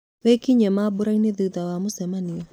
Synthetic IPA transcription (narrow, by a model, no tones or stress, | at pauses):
wɛkiɲɛmabuɾaineðuðawamosɛmaniɔ